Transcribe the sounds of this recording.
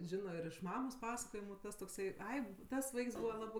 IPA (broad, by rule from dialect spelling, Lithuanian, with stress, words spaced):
ˈʒʲɪnoː ɪr ɪʃ ˈmɑːmoːs ˈpɑːsɐkoːjɪmʊ ˈtɐs toːkˈsɐɪ ˈɐɪ ˈtɐs ˈʋɐɪks ˈbuːʋɐ ˈlˠɑːbɜ